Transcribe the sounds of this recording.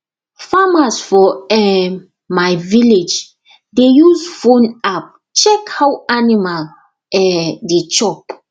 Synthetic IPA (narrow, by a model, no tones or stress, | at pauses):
famasfɔɛ | majviled͡ʒ | dejusfõnap̚ | t͡ʃɛkhawanimal | ɛdet͡ʃɔp